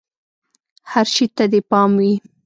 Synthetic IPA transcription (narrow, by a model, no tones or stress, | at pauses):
haɾʃit̪ad̪epɑmwi